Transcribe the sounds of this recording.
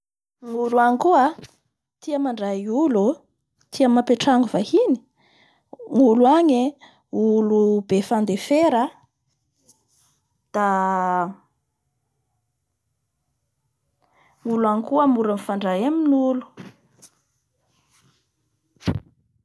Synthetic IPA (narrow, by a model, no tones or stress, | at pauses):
ŋuluaŋkuə | t̪iamaɳɖ͡ʐaiulu | t̪ʰiamapeʈ͡ʂaŋuvahini̥ | ŋuluaɲe | ulubefand̪efeɾə | d̪̥a | ŋuluaŋkuəmuɾanfaɳɖ͡ʐaɦaminnulu̥